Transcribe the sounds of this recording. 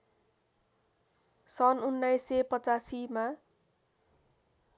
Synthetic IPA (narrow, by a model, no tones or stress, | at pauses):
sʌnunːajsːepʌt͡sasima